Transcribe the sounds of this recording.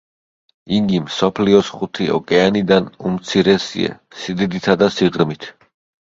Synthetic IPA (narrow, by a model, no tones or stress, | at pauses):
iŋɡimsɔpʰliɔsχut̪ʰiɔ̰kʼɛanid̪anumt̪sʰiɾɛsḭɛ̰ | sid̪id̪it̪ʰad̪asiʁɾmit̪ʰ